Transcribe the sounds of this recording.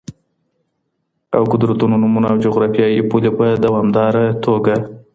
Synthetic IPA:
a̰wkʊd̪ɾat̪unonumunaawd͡ʒoɣɾɑfjɑjepulepəd̪awɑmd̪ɑɾat̪ʰoɡa

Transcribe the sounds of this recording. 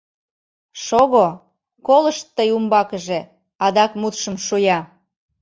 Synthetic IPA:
ʃoɣo | koləʃt̪ːəjumbɑkəʒe | ɑd̪ɑkmut̪ʃə̆mʃujɑ

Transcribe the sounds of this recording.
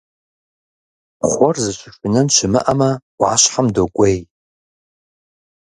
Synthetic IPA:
χʷɔrzɨʃʷɪʂɪnɐnʃɪmɨ̰ʔɐmɐwʷʕaɕħamdokʷʼej

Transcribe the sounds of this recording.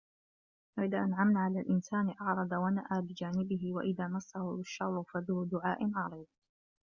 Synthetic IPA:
waʔɪðaːʔanʕamnaːʕalaːlʔɪnsaːnɪʔɑʕɾˤɑd̪awanaʔaːbɪd͡ʒaːnɪbɪɦɪwaʔɪðaːmasːahʊɪʃːɑˤɾˤʊfad̪uːd̪ʊʕaːʔɪnʕɑɾˤiːd̪

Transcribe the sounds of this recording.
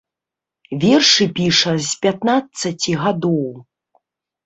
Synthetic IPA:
vʲɛrʂɨpʲiʂɐzpʲat̪nat̪sɐt͡sʲiɣad̪ɔw

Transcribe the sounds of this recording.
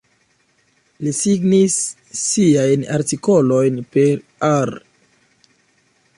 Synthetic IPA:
lisiɡnisː | iajnaɾtiko̞lo̞jnpe̞ɾaɾ

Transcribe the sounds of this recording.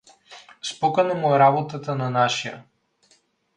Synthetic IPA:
spɔkanamuɛɾabɔt̪at̪ananaʃija̰

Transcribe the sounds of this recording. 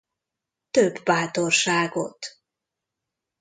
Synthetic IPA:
t̪øbːaːt̪orʃaːɡo̰t̪

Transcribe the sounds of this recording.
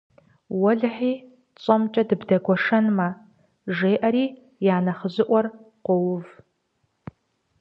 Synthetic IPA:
wɔɮħiː | t͡sʼɐmt͡ʃʼɐdɨbdɐɡʷɔʂɐnmɐ | ʒeːʔɐɾiː | jaːnɐχəʑɨʔʷɔr | qʷɔwʊv

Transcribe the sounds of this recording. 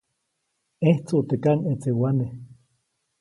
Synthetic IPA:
eht͡suʔt̪ekanet͡sewane

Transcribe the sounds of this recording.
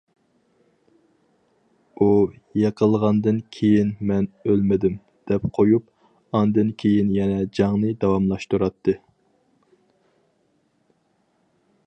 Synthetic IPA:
u | jeqʰəlˠʁɑnd̪ɨnkʲʰejinmɛnølmɪd̪ɪm | d̪̥ɛp̚qʰojup̚ | ɑnd̪ɨnkʲʰejinjɛnɛd͡ʒɑŋnɨd̪ɑwɑmlˠɑʃt̪uɾɑt̪ʰːɨ

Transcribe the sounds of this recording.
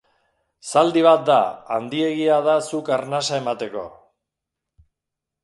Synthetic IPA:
sald̪iβat̪̚d̪a̰a̰nd̪ie̞ɣiað̞asukaɾnasaemat̪e̞ko̞̰

